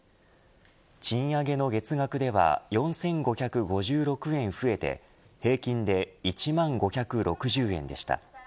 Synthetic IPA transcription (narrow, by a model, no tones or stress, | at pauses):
t͡ɕĩɰ̃aɡe̞no̞ɡe̞t͡sɨɡakɯ̟d̪e̞β̞a̰jõ̞ɰ̃sẽ̞ŋɡo̞çʲakɯ̟ɡo̞ʑɨːɾo̞kɯ̟ẽ̞ɰ̃ɸɯ̟e̞t̪e̞̰ | he̞ːkʲĩnd̪e̞it͡ɕimãŋɡo̞çʲakɯ̟ɾʔo̞kɯ̟ʑɨːẽ̞̰nd̪e̞̰ɕi̥t̪a̰